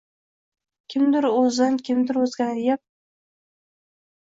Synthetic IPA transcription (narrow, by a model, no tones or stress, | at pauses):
kʲʰɪmd̪ɪɾɵzankʲʰɪmd̪ɪɾɵzɡʲanjap̚